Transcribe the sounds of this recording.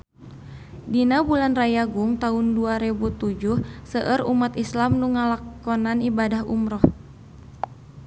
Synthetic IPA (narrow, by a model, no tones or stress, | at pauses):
dinabulanrajaɡuŋt̪aʊnduaɾibut̪ud͡ʒuhsəʔərumat̪islamnuŋalakɔnanibadaɦṵmɾɔh